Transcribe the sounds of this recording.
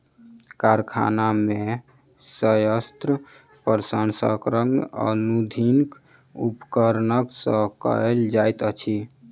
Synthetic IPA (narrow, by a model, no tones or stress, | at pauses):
kaɾkʰa̰name | səjəst̪ɾə | pəɾsənsə̰kɾəmə̰nud̪ʱink | upkəɾnəksə̃kə̰eld͡ʒajt̪ət͡ʃʰi